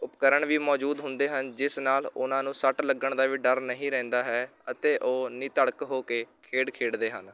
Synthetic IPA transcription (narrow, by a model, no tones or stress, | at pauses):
ʊpkəɾəɳʋiːmɔːd͡ʒuːd̪ɦʊnd̪eːɦənd͡ʒɪsnaːlʊnãːnũːsəʈləɡəɳd̪aːʋiːɖəɾnəɦĩːɾɛ̃ːnd̪aːɦɛːət̪eːʔoːnĩːt̪əɽkɦoːkeːkʰeːɽkʰeːɽd̪eːɦən